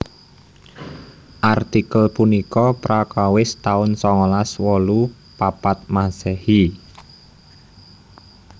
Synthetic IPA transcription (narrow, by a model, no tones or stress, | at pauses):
ʔart̪ikəlpunikɔpɾakawɪst̪aʊnsɔŋɔlaswɔlu | papat̪̚masɛhi